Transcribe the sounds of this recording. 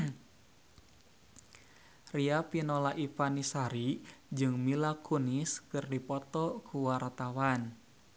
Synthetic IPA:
riapinɔlaʔipanisaɾid͡ʒɨŋmilakuniskɨrdipɔt̪ɔkʰuwart̪awan

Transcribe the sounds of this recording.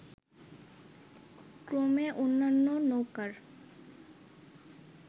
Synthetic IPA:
kɾomeʔonːanːonowkaɾ

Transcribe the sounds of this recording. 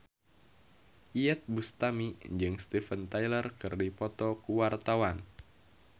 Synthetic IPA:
ʔiɛt̪̚bust̪amiɲd͡ʒɨŋst̪ifənt̪ajlərkɨrdipɔt̪ɔkuwart̪awan

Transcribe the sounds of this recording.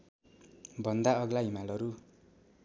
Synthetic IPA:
bʱʌnd̪aʌɡlaɦimalʌɾu

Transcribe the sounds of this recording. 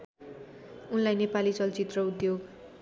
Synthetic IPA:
unlajnepalit͡sʌlt͡sit̪rʌud̪joɡ

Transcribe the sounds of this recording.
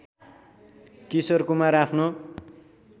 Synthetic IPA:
kisʌrkumaɾapʰno

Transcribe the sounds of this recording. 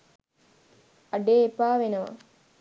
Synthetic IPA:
ɐɖeːepaːʋenəʋɐ̰

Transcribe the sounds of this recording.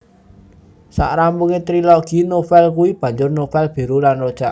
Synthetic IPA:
sa̰ʔɾampuŋet̪ɾiloɡ̥i̤nofɛlkuib̥ä̤ɲd͡ʒʊrnofɛlb̥e̤ɾulanrod̥ʒ̥aʔ

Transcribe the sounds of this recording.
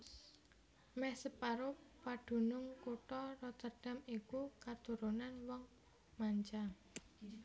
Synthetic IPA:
mɛhsəpaɾʊpaɖ̥ṳnʊŋkuʈɔrɔt̪ərɖ̥a̤mikukat̪uɾunanwɔŋ | maɲt͡ʃa

